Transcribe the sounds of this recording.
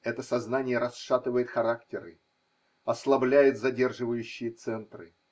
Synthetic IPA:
ɛt̪əsɐznanʲɪjəɾɐsʂat̪ɨvəjɪt̪xɐɾaktʲɪɾɨ | ɐslˠɐblʲæjɪt̪zɐdʲe̞rʐɨvəjʉɕːɪjət̪sɛnt̪rɨ̰

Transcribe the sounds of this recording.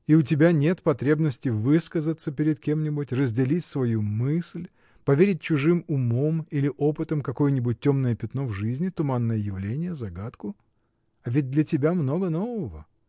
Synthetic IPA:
iʊt̬ʲɪbʲanʲe̞t̪pɐt̪ɾʲebnəsʲtʲɪjvɨskəzət̪səpʲɪɾʲɪt̪̚kʲe̞mnʲɪbʊtʲrəzʲdʲɪlʲitʲsvɐjumɨsʲlʲ | pɐvʲeɾʲɪt̚ʲt͡ɕʊʐɨmʊmo̞milʲɪʔopɨt̪əmkɐko̞jənʲɪbʊt̚ʲtʲːo̞mnəjəpʲɪt̪no̞vʐɨzʲnʲɪt̪ʊmanːəjəjɪvlʲenʲɪjəzɐɡat̪kʊ | ɐvʲɪd̚ʲd̪lʲətʲɪbʲamno̞ɡənovəvə

